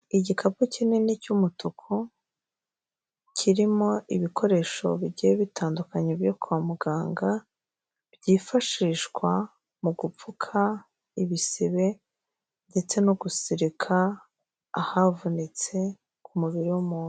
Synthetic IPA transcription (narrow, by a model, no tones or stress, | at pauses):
iɟikʰap̚ucinenicumutukʰo | cʰiɾimo̞iβiko̞ɾe̞ʃo̞̰βiɟijeβitʰaːndukaɲebjokuwamuɡaːŋɡa | bɟiːfaʃiʃɡwa | muɡup͡fukʰa | iβisiβe̞ | nde̞t͡se̞noɡusiɾikʰa̰ː | havunit͡se̞ | kʰumuβiɾiwumuːnu